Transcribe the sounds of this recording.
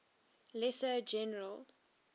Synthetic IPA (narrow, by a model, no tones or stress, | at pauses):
lɛsəd͡ʒɛnəɹəl